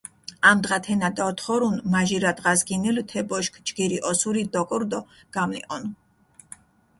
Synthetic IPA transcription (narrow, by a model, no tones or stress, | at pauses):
amd̪ʁat̪ʰɛnad̪aɔt̪χɔɾunmaʒiɾad̪ʁazɡinilt̪ʰɛbɔʃkʰd͡ʒɡiɾiʔɔsuɾid̪ɔkʼɾd̪ɔ | ɡ̥amlḭqʼɔn